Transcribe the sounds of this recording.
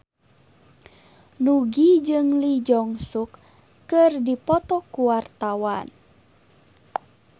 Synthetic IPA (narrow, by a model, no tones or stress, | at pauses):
nuɡid͡ʒɨŋlid͡ʒɔŋsukː | ɨrdipɔt̪ɔkuwart̪awa̰n